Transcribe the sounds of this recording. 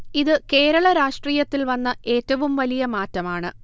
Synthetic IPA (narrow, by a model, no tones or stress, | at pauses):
iðɨke̞ːɾɐɭɐɾaːʂʈriːjɐt̪ːilʋɐnːɐʔe̞ːtːɐʋumʋɐlijɐmaːtːɐmaːɳɨ